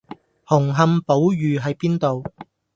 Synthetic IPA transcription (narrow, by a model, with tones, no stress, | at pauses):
hʊ˨˩ŋɦɐ˨˧mpo˨˥wjyː˨ɦɐ˨˧jpiː˥nt̪o˨w